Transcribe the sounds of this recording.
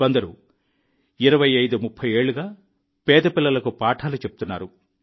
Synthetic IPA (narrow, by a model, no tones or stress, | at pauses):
ʋɐnd̪ɐɾṵ | iɾɐʋɐjɐjd̪umupʰːɐjeːɭːuɡaː | pɛːd̪ɐpilːɐlɐkupaːʈʰaːlut͡ʃebu̥t̪unːa̰ːɾu